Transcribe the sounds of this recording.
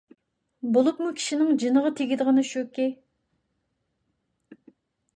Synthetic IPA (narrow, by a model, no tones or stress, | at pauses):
bolˠupmukʲʰi̥ʃinɪŋd͡ʒinəʁɑt̪ʰeɡʲid̪əʁɑnɨʃøkʲe